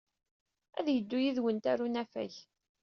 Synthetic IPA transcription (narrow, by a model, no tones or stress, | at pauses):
æðjəd̪ːujiðwənt̪æɾunæfæ̰ç